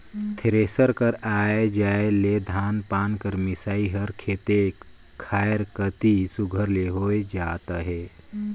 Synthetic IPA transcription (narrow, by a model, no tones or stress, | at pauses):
t̪ʰeɾesəɾkəɾaːed͡ʒaeled̪ʱaːnpaːnkəɾmisaːiɦəɾkʰet̪e | kʰaːjeɾkət̪isuɡʱəɾleɦoed͡ʒaːt̪əɦe